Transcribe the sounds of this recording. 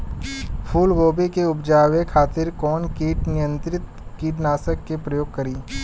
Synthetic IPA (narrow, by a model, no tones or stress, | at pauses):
pʰuːlɡoːbikeʊpd͡ʒaːʋekʰaːt̪ɪɾkɔːnkiːʈnɪjə̃nt̪ɾɪt̪ | kiːʈnaːsəkːepɾɐjoːɡ̚kɐɾiː